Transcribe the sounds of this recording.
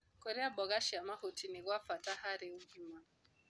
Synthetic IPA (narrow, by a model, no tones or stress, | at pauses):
koɾɪabɔɣaʃɪamahotinɪɣʷafataɦaɾɪuɡima